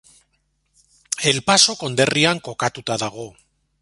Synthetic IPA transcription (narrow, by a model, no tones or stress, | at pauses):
e̞lpaso̞ko̞nd̪e̞riaŋko̞kat̪ut̪aðaɣ̞o̞